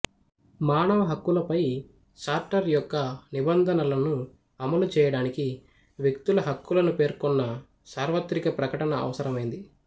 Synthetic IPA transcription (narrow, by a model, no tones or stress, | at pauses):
maːnɐʋɐɦɐkːulɐpɐj | saːɾʈɐɾjɔkːɐnibɐnd̪ʱɐnɐlɐnu | ɐmɐlut͡ʃɛːjɐɽaːniki | ʋjek̚t̪ulɐɦɐkːulɐnupe̞ːɾkɔnːɐ | saːɾʋɐt̪ɾikɐpɾɐkɐʈɐnɐɐ̰ʋɐsɐɾɐmɐjind̪i